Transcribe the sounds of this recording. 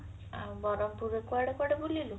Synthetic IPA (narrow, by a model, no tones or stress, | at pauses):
abɔɾɔmpuɾekuaɽakaɽabulilu